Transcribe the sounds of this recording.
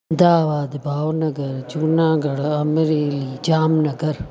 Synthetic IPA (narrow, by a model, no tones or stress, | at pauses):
d̪aːʋaːd̪bʱaːʋnɐɡəɾd͡ʒuːnãːɡɐɽɐɐmɾeːliːd͡ʒaːmnɐɡɐɾ